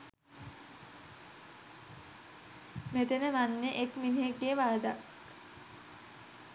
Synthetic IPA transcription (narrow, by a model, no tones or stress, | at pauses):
met̪enəʋanːeʔekminiɦeɡːeːʋaɾəd̪ak